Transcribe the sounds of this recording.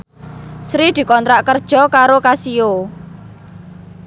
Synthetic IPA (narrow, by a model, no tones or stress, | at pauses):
sɾid̪̥i̤kɔnt̪ɾaʔkərd̥ʒ̥ɔ̤kaɾokasio